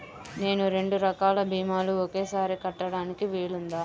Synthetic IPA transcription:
ne̞ːnuɾe̞ɳɖuɾɐkaːlɐbʱiːmaːluɔke̞ːsaːɾikɐʈːɐɽaːnikiʋiːɭund̪aː

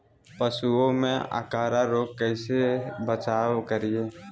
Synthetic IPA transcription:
pəsuõmḛ̃ʔə̰kaːɾaɾoːɡ̚kɛɪsebət͡ʃaːwkəɾieː

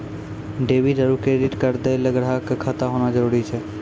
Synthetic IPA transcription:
ɖeːʋiɖəɾukeːɖɪʈkəɾd̪eləɡɽakkʰət̪aɦoːnad͡ʒəɾuːɾit͡ʃʰɛ

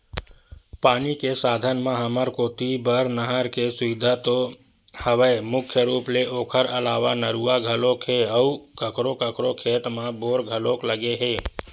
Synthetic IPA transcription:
paːnikesaːd̪ʱənmãɦəməɾkoːt̪ibəɾnəɦəɾkesʊʋɪd̪ʱat̪o | həʋəemʊkʰjəɾuːpleoːkʰəɾəlaːʋanəɾuːaɡʱəlokɦeəukəkɾokəkɾokʰeːt̪mãboːɾɡʱəloːkləɡeɦeː

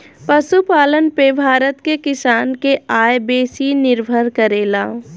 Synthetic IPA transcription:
pəʃupaːlənpebʱaːɾət̪kekɪsaːnkeaːjbeːsinɪɾbʱəɾkəɾeːlaː

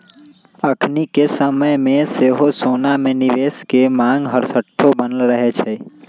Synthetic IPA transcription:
əkʰnikesəməjmẽseɦosonamẽnɪʋeskemãŋɡɦəɾsəʈʰːobənəlɾəɦet͡ʃʰe

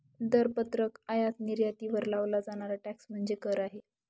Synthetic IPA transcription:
d̪əɾpət̪ɾəkajat̪niɾjat̪iːʋəɾlaʋlad͡zaɽ̃aɾaʈæksm̤əɳd͡zekəɾaɦe

